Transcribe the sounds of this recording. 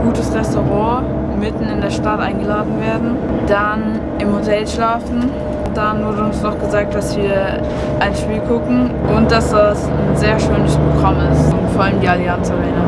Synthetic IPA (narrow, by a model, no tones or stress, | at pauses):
ɡ̥uːtəsʁɛstoʁɑ̃ː | mɪtn̩ɪndeːɐʃtatʔa̰ɪnɡəlaːdn̩veːɐdn̩ | d̥an | ʔɪmhotʰɛlʃlaːfn̩ | d̥anvʊɐdəʊnsnɔχɡ̥əzaːk̚t̚d̥asv̥iːɐ | ʔaɪnʃpiːlɡʰʊkŋ̩ʔʊnt̚d̥asd̥as | nnzeːɐʃøːnəspʁ̥oɡʁamɪstʊntfɔːɐʔaləmdiːaliansaʁɛːnə